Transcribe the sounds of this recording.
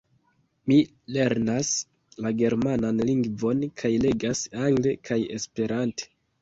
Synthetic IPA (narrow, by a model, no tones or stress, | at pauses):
mi | le̞ɾnas | laɡe̞ɾmananliŋɡvo̞nkʰajle̞ɡasaŋɡle̞kʰajḛspe̞ɾante̥